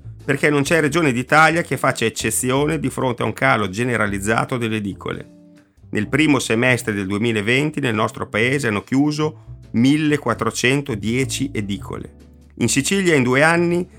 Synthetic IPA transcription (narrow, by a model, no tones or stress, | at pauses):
perkɛnont͡ʃɛred͡ʒoːned̪it̪aːljakefːat͡ʃːaet͡ʃːet̪sːjoːned̪ifɾont̪eauŋkaːlod͡ʒeneɾʔalid̪zːa̰ːt̪od̪elːed̪iːkʰo̰lḛ | nʔelpɾiːmosemɛst̪ɾed̪eld̪uemiːlaevent̪inelnɔst̪ɾopaeːzeanːok̟juːzomilːekwat̪ːɾot͡ʃɛnt̪od̪jɛːt͡ʃiʔed̪iːkʰo̰lḛ | insit͡ʃiljaind̪uːeanːi